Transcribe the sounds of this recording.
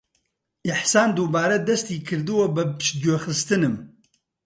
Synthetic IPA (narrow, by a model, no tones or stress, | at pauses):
ʔɪħsaːnd̪uːbaːɾɐd̪ɐst̪iːkʰɨɾd̪ɨwɐbɨpɨ̥ʃd͡ʒoːxɨst̪ɨnɨm